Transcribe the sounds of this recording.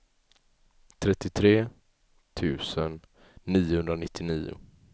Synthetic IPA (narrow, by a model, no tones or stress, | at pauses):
t̪ʰɾɛt̪ːɪt̪ʰɾeː | t̪ʰʉ̟ːsənː | iːʊhɵnd̪ɾanɪt̪ʰːɪniːʊ̰